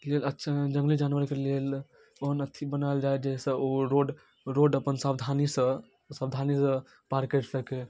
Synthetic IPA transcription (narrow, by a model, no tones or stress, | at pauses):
lelətːʃʰad͡ʒə̃ŋɡlid͡ʒanʋəɾkelel | oɦənət̪ʰːibənald͡ʒaed͡ʒeɦsə̃oɾoɖ | ɾoɖəpənsabd̪ʱanisə̃ | sabd̪ʱanisə̃ | paɾkeʈsəke